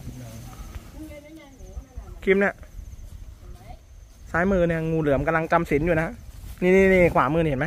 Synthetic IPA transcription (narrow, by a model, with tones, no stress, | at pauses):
kʰi˧˥m̚ni˦˥˩ə | saː˦˥jmɯː˧ni˥˩ɐŋuː˧lɯ˩˦əmka˧mla˧ŋt͡ɕa˧msi˩˦njuː˨˩na˦˥niː˧˩niː˧niː˧˩kʰwaː˩˦mɯː˧i˧˨˩nma˦˥j